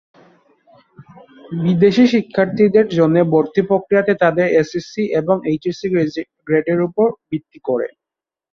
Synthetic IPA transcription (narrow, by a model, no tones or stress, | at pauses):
bid̪eʃiʃikʰːaɾt̪ʰid̪eɾd͡ʑonːeboɾt̪ʰipɾokːɾijat̪et̪ad̪eɾesesiʔeboŋejʈisie | ɡɾeɖeɾupoɾbit̪ːikoɾḛ